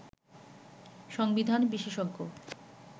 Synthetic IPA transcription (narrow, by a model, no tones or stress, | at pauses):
ʃɔŋbid̪ʱanbiʃeʃɔɡːo̰